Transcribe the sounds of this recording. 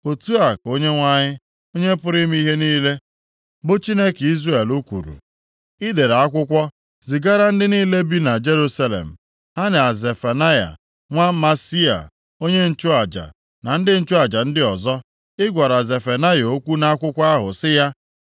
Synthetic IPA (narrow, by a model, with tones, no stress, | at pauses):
o˨tu˦a˨ko˦ɲe˦ŋʷa˦ɲɪ˦ | o˦ɲe˦pʊ˦ɾɪ˦m˦i˦ɦe˦niː˦le˦ | bʊ˦t͡ʃi˦ne˦ki˦zre˨lʊ˦kʷṵ˨ɾṵ˨ | i˦de˨ɾa˨a˦kʷʊ˦kʷɔ˦ | zi˨ɡa˦ɾa˦n̩˦dɪ˦niː˦le˦bi˦na˨d͡ʒe˦ɾu˦sa˦lḛ˨m̩˨ | ha˦nɪ˨a˨ze˨fa˨na˦ja̰˨ | ŋʷa˦ma˦si˦a̰˨ | o˦ɲe˦n̩˦t͡ʃʊ˦a˨d͡ʒa̰˨ | na˨n̩˦dɪ˦n̩˦t͡ʃʊ˦a˨d͡ʒa˨n̩˦dɪ˦ɔ˨zɔ˦ | ɪ˦ɡʷa˨ɾa˨ze˨fa˨na˦jo˦kʷu˦na˦a˦kʷʊ˦kʷa˦ɦʊ̰˨sɪ˦ja˦